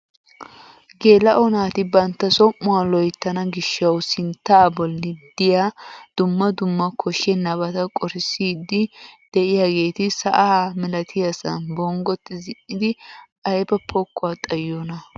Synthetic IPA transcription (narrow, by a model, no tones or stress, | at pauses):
ɡe̞ːlɐʔɔnaːt̪ɪbɐnt̪ːɐsɔmːʊwalɔjt̪ːɐnɐɡɪʃːɐwsɪnt̪ːaːbɔlːɪd̪ɪjaːd̪̥ʊmːɐd̪ʊmːɐkʰɔʃɛnɐbɐt̪ɐkʼɔɾɪsiːd̪ːɪd̪̥ɛʔɪjaːɡe̞ːt̪ɪsɐʔaːmɪlɐt̪ʰɪjɐsɐ̰nbɔŋɡɔt̪ːɪzɪʔɪd̪ɪʔɐjbɐpʰɔkːʊwat̪ʼɐjːɔnɐ